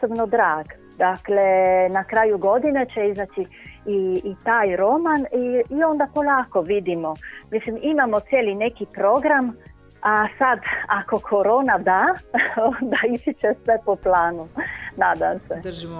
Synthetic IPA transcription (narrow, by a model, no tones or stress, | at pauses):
sobnod̪ɾaːɡ | d̪aklenakɾaːjuɡo̞d̪inet͡ʃeizat͡ʃi | iːt̪aːjɾo̞maniːo̞nd̪apolaːkoʋid̪imomislimimamot̪sʲjeːlinekipɾo̞ɡɾam | asad̪ako̞kʰoɾoːnad̪aond̪aizit͡ʃesʋepoplaːnunaːd̪amse